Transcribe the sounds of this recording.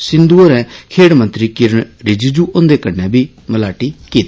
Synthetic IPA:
sɪ̃nd̪uːəɾɛ̃ːkʰeːɽmə̃nt̪ɾiːkɪɾɳɾɪd͡ʒid͡ʒuːʔʊnd̪eːkənːɛ̃ːbʱiː | məlaːʈiːkiːt̪ː

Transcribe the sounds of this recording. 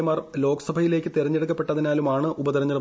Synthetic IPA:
ɐmaːrlo̞ːɡɐsɐbʱɐjile̞ːkʲːɨt̪iɾɐɲːeɽukːɐpːe̞ʈːɐðinaːlumaːɳɨʔubɐd̪ɐɾɐɲːɐlɐ

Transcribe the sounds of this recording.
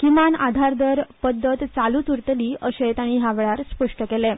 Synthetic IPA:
kimanad̪ʱaɾd̪əɾpəd̪ːət̪t͡salut̪uɾt̪əliːəɕet̪aɽ̃iɦaʋɭaɾspəʂʈəkelẽ

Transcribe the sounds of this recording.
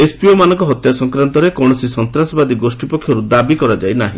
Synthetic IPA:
espiomanɔ̃ŋkɔɦɔt̪jasɔŋkɾant̪ɔɾekɔɳɔsisɔnt̪ɾasɔbad̪iɡosʈipɔkʰːjɔɾud̪abikɔɾad͡ʒajnaɦḭ̃

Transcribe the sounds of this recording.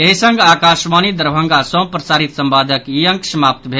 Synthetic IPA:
eɦisə̃ŋɡaːkaːʃʋaːnid̪əɾbʱə̃ŋɡasə̃w̃pɾɐsaːɾit̪sɐmbaːd̪ʱəkiəŋksɐmaːp̚t̪bʱe

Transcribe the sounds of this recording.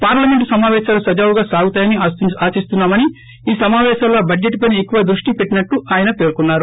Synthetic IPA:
paːɾlɐme̞ɳʈsɐmaːʋɛːʃaːlusɐd͡ʒaːʋuɡaːsaːɡut̪aːjɐniaːsist̪unːaːmɐni | iːsɐmaːʋɛːʃɐmloːbɐd͡ʒeʈːpɐjniekːuʋɐd̪ɾuʂʈipe̞ʈːinɐʈːuʔaːjɐnɐpe̞ːɾkunːaːɾu

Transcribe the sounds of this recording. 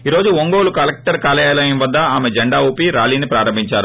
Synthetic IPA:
iːɾo̞ːd͡ʒuʋoŋɡoːlukɐlɐk̚ʈɐɾkaːlɐjaːlɐjɐmʋɐd̪ːɐaːmed͡ʒɐɳɖaːuːpiɾaːliːnipɾaːɾɐmbʱiɲt͡ʃaːɾu

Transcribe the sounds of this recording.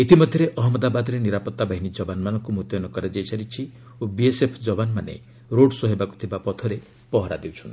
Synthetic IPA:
it̪imɔd̪ʱjɔɾeʔɔɦɔmɔd̪abad̪ɔɾeniɾapɔt̪ːabaɦinid͡ʒɔbanmanɔŋkumut̪jɔnɔkɔɾad͡ʒajsʰaɾit͡ʃʰi | obiesepʰd͡ʒɔbanmanḛ | ɾoɽsɔɦebaku̥t̪ʰibapɔt̪ʰɔɾe | pɔɦɔɾa̰d̪ewt͡ʃʰun

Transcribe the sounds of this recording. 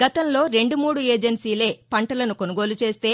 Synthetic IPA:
ɡɐt̪ɐmlo̞ːɾe̞ɳɖumuːɽueːd͡ʒɐnsiːle̞ːpɐɳʈɐlɐnukonuɡo̞ːlut͡ʃe̞ːst̪e̞ː

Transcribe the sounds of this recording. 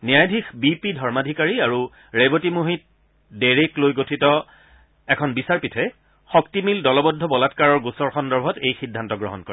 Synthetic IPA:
nijajdʱixbipidʱɔɹmadʱikaɹiaɹu | ɹebotimuɦit̚ | deɹeklojɡotʰitɔ | ɛkʰɔnbisaɹpitʰɛ | xɔktimildɔlɔbɔdʱːɔbɔlatkaɹɔɹɡusɔɹxɔndɔɹbʱɔtejxidʱːantɔɡɹɔ̰ɦɔnkɔɹɛ

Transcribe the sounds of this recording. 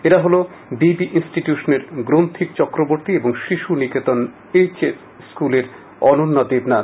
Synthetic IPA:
eɾaɦolo | bibiʔinsʈiʈjuʃoneɾɡɾont̪ʰikt͡ɕɔkɾoboɾt̪ieboŋʃiʃuniket̪on | et͡ɕes | skuleɾ | ɔnonːad̪ebna

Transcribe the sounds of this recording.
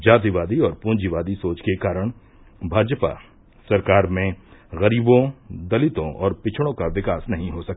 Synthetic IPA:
d͡ʒaːt̪iʋaːd̪iɔːɾpʊ̃ːnd͡ʒiʋaːd̪isoːt͡ʃkekaːɾəɽ̃ | bʱaːd͡ʒpa̰ | sɐɾkaːɾmẽɣɐɾiːbõd̪ɐlɪt̪õʔɔːɾpɪt͡ʃʰɽ̃õkaʋɪkaːsnɐɦĩɦosɐk̚t̪a

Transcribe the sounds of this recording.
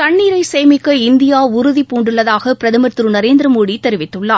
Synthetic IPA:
t̪ɐɳːiːɾɐɪsɛjmɪkːɐɪnd̪ɪjaːʊɾʊðipuːɳɖɯɭːɐðaːɣɐpɪɾɐðɐmɐɾt̪ɾɯnɐɾeːnd̪ɪɾɐmoːɽit̪ːɛɾɪʋɪt̪ːɯɭːaː

